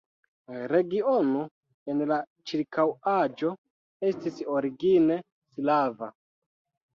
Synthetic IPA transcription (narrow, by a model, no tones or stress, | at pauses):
ɾe̞ɡiono̞ | enla | t͡ʃiɾkʰawad͡ʒo̞ | e̞stiso̞ɾiɡine̞ | slava